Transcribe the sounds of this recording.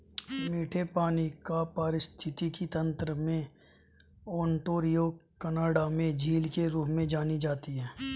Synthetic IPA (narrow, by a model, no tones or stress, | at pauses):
miːʈʰepaːnikapaɾɪst̪ʰɪt̪ikit̪ə̃nt̪ɾəmẽ | ɔːɳʈoːɾijokənaːɽamẽd͡ʒʱiːlkeɾuːpmẽd͡ʒaːnid͡ʒaːt̪iɦɛː